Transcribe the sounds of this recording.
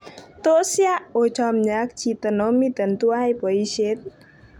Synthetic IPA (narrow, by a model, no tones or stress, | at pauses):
t̪osjaʔot͡ʃɔmɲak̚t͡ʃʰit̪ənomit̪ənt̪uajpəiʃet̪̚